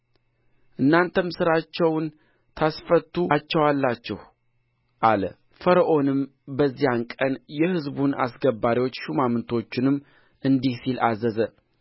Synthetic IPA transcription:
ʔɨnːant̪ʰəmsɨɾat͡ʃːɛwn | t̪ʰasfət̪ːut͡ʃːɛwalːat͡ʃːɛh | ʔalə̰ | fəɾəʔo̞nɨmbəzːijankʼənjɛhɨzbuna̰sɡəbːaɾiwo̞t͡ʃːʃumamɨnt̪ʰo̞t͡ʃːɪnɨmː | ʔɨnd̪ihsilazəzə

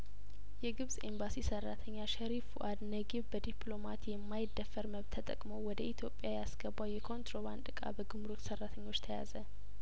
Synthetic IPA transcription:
jɛɡɨβzsʼembasisərːat̪ʰəɲːaʃəɾifuʔad̪nəɡiβbəd̪ipʰlomat̪jɛmːajɪd̪ːəfːəɾməβt̪ʰːət̪ʼə̰kʼməwwɔd̪əʔit̪ʰjo̞pʼːjajɛasɡ̥əbːawjɛkʰo̞nt̪ɾo̞βand̪ɨkʼa̰bəɡɨmɾot̪sərːat̪ʰəɲːo̞t͡ʃːt̪ʰəja̰zə

